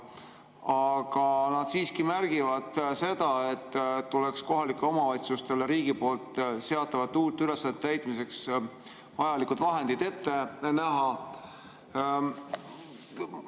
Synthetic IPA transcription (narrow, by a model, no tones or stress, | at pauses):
ɑɡ̥ɑnɑd̪̥siːskimærɡ̥ivɑd̪̥se̞d̪̥ɑe̞t̪ːuleksko̞ɦɑlikːˑeo̞mɑvɑjt̪sust̪e̞leɾiːɡ̥ipo̞ːlt̪se̞ɑt̪ːˑɑvɑt̪ːuːt̪ːˑyle̞sːɑnet̪ːæjt̪mis̬e̞ks | vɑjɑlikːud̪vɑɦe̞nd̪̥id̪̥e̞t̪ːe̞næɦɑ